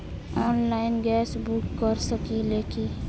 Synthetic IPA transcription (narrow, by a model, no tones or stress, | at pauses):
ɔːnlaɪnɡɛsbukːəɾsəkileki